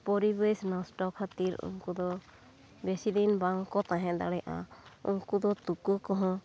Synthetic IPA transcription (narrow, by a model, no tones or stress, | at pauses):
pɔɾibesnɔsʈɔkʰːat̪iɾṵŋkud̪ɔ | besid̪inbaŋkɔt̪aɦɛ̃d̪a̰ɽɛjʔa̰ṵŋkud̪ɔt̪ukɯkɔɦɔ̃